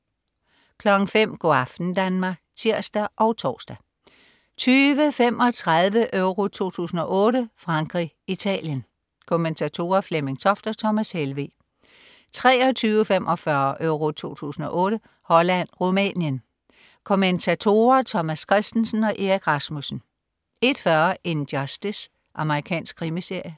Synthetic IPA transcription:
kʰlɒ̽ɡ̥ŋ̩fem̰ɡ̥oɑ̈fd̥n̩d̥ænmɑ̈ːɡ̥t͡sʰiɐ̰sd̥æʔɒ̽ʊt͡sʰɒ̰ːsd̥æ | t͡sʰyːʋəfem̰ɒ̽t͡sʰʁɑðˠʋəʔøʊʁo̝t͡sʰo̝̰ːt͡sʰṵːsn̩ɒ̽ʔɔ̽ːɾəfʁɑ̈ŋɡ̥ʁi | it͡sʰɛ̰ːljən | kʰoment͡sʰæt͡sʰo̝̰ːɐfleme̝ŋsʰɒ̽fd̥ɐt͡sʰɒ̽mæshelʋḛː | t͡sʰʁɛːɒ̽t͡sʰyːʊəfemʔɒ̽fɶɐʔøʊʁo̝t͡sʰo̝̰ːt͡sʰṵːsn̩ɒ̽ʔɔ̽ːɾə | hɒ̽læn̰ʁomɛ̰njən | kʰoment͡sʰæt͡sʰo̝̰ːɐt͡sʰɒmæskʰʁɛsd̥n̩sn̩ɒ̽ʔe̝ɐɡ̥ʰʁɑ̈smusn̩ | e̝d̥fɶɐe̝nd̥jɒsd̥əs | ʔɑ̈məʁikʰɛ̰ːnsɡ̥̚ʰʁimise̝ɐ̰jə

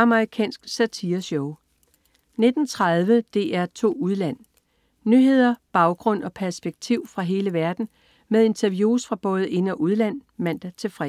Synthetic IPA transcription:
ɑ̈məʁikʰɛ̰ːnsɡ̥sæt͡sʰiɐsɔʊ | ne̝d̥n̩t͡sʰʁaðˠʋəd̥e̝ʔæɐt͡sʰo̝̰ːuð̞ˠlæn̰ | nyɦe̝ð̞̰ˠɐb̥ɑ̈ʊɡ̥ʁɔ̽n̰ɒ̽pʰæɐsb̥eɡ̥̚t͡sʰiʊ̰fʁɑ̈ɦe̝ːləʋæɐd̥n̩ | með̞ˠe̝nt͡sʰæɐʋjuːsfʁɑ̈b̥ɔ̽ːð̞̩ˠe̝nɒʔuðˠlæn̰ | mæn̰d̥æt͡sʰe̝lfʁɛ̰

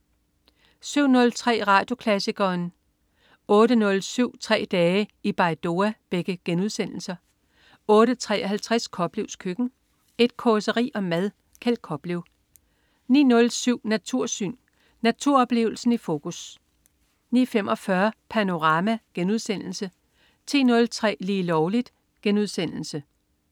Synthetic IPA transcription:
syʊ̰nɔ̽lt͡sʰʁɛ̰ːʁɑ̈ːd̥jo̝kʰlæsiɡ̥ɐːn | ɔ̽ːɾənɔ̽lsyʊ̰t͡sʰʁɛ̰ːd̥ɛːəib̥ɑ̈ɪd̥o̝æb̥eɡ̥əɡ̥enuð̞ˠsen̰l̩sɐ | ɔ̽ːɾət͡sʰʁɛ̰ːʔɒɦælt͡sʰʁaskʰɒ̽b̥liʊ̰skʰøɡ̥n̩ | e̝d̥̚kʰɒsəʁḭːɒ̽mæðˠ | kʰæl̰d̥̚kʰɒ̽b̥liʊ | nḭːnɔ̽lsyʊ̰næt͡sʰuɐ̰sy̰ːn | næt͡sʰuɐ̰ɒ̽b̥le̝̰ːʊl̩sn̩ifo̝ːkʰus | nḭːfemʔɒ̽fɶɐpʰæno̝ʁɑ̈mæɡ̥enuð̞ˠsen̰l̩sə | t͡sʰḭːnɔ̽lt͡sʰʁɛ̰ːliːlɒʊlid̥ | ɡ̥enuð̞ˠsen̰l̩sə

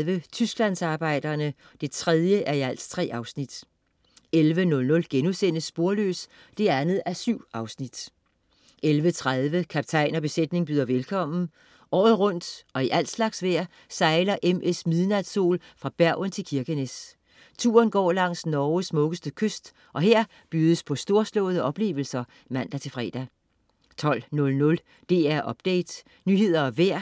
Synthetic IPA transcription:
ʋət͡sʰysɡ̥læn̰sɑ̈ːb̥ɑ̈ɪ̰d̥ɐnə | d̥e̝t͡sʰʁɛð̞ˠjəʔæɐiæl̰dst͡sʰʁɛ̰ːɑ̈ʊsnid̥ | elʋənɔ̽lnɔ̽lɡ̥enusen̰əsːb̥o̝ɐlø̰ːs | d̥e̝ænð̩ˠæɐsyʊ̰ɑ̈ʊsnid̥ | ʔelʋət͡sʰʁaðˠʋəkʰæp̚t͡sʰɑ̈ɪ̰nɒ̽b̥e̝sed̥ne̝ŋb̥yðˠɐʋelkʰɒ̽m̰n̩ | ʔɒ̰ːð̞̩ˠʁɔ̽n̰d̥ɒ̽iʔæl̰d̥slɑ̈ɡ̥sʋæɐ̰ | sɑ̈ɪlɐʔemʔesmiðˠnæd̥so̝̰ːlfʁɑ̈b̥æɐ̰ənt͡sʰe̝lkʰiɐɡ̥ənes | t͡sʰṵːɐnɡ̥ɒ̰ːlɑ̈ŋ̰snɒːsmɔ̽ɡ̥əsd̥əkʰøsd̥ | ʔɒ̽ɦeɐ̰ | b̥yːð̞ˠəspʰɒ̽sd̥o̝ɐslɔ̰̽ʊðˠəʔɒ̽b̥le̝̰ːʊl̩sɐ | mæn̰d̥æt͡sʰe̝fʁɛ̰ːd̥æ | t͡sʰɒ̽l̰nɔ̽lnɔ̽l | d̥e̝̰ːæɐʔɒ̽b̥d̥eɪd̥ | nyːɦe̝ð̞̰ˠɐɒʋæɐ̰

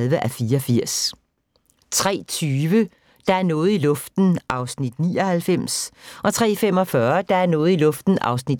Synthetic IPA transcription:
lʋəʔæfiːɐɒfiɐ̰s | t͡sʰʁɛ̰ːt͡sʰyːʋə | d̥ɑ̈æɐnɔ̽ːð̩ˠilɔ̽fd̥n̩ʔɑ̈ʊsnid̥nḭːɒ̽hælfem̰sʔɒ̽t͡sʰʁɛ̰ːfem̰ɒ̽fɶɐd̥ɑ̈æɐnɔ̽ːð̩ˠilɔ̽fd̥n̩ʔɑ̈ʊsnid̥

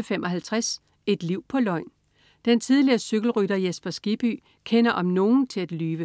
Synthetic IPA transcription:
femʔɒ̽ɦælt͡sʰʁas | e̝d̥liʊ̰pʰɒ̽lɒ̽ɪ̰n | d̥ent͡sʰiðˠliɐːsøɡ̥l̩ʁyɾɐjesb̥ɐsɡ̥ib̥y̰ː | kʰenɐʔɒ̽mno̝ːn̩t͡sʰe̝læd̥lyːʋə

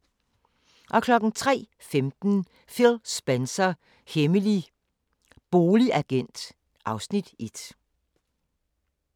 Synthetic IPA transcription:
ʔɒ̽kʰlɒ̽ɡ̥n̩t͡sʰʁɛ̰ː | femd̥n̩ | felsb̥ensɐ | heməli | b̥o̝ːliʔæɡ̥en̰d̥ | ʔɑ̈ʊsnid̥ʔe̝d̥

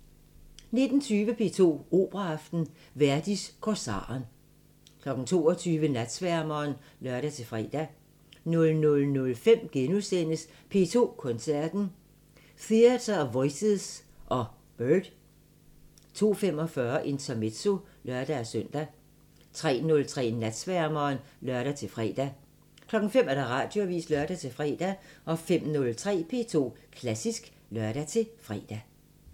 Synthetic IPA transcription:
ne̝d̥n̩t͡sʰyːʋəpʰe̝̰t͡sʰo̝̰ːo̝̰ːb̥ʁɑːfd̥n̩ | ʋæɐd̥iskʰɒsɑ̰̈ːn | kʰlɒ̽ɡ̥n̩t͡sʰo̝̰ːɒt͡sʰyːʋənæd̥sʋæɐmɐːn | lœɐɾ̥æt͡sʰe̝fʁɛ̰ːd̥æ | nɔ̽lnɔ̽lnɔ̽lfem̰ɡ̥enuðˠsen̰əs | pʰe̝̰ːt͡sʰo̝̰ːkʰɒ̽nsæɐ̰d̥n̩ | θiæt͡sʰɐʋɒɪseðˠsʔɒ̽ | b̥øːd̥ | t͡sʰo̝̰ːfemɒ̽fɶɐʔe̝nt͡sʰɐme̝d̥so̝lɶɐd̥æsœn̰d̥æ | t͡sʰʁɛ̰ːnɔ̽lt͡sʰʁɛ̰ːnæd̥sʋæɐmɐːnlœɐɾ̥æt͡sʰe̝lfʁɛ̰ːd̥æ | kʰlɒ̽ɡ̥ŋ̩fem̰æɐɾ̥ɑ̈ʁɑ̈ːd̥jo̝ʋḭːslœɐd̥æt͡sʰe̝lfʁɛ̰ːd̥æʔɒ̽fem̰nɔ̽lt͡sʰʁɛ̰ːpʰe̝ːt͡sʰo̝̰ːkʰlæsisɡ̥ | lɶɐɾ̥æt͡sʰe̝fʁɛ̰ːd̥æ

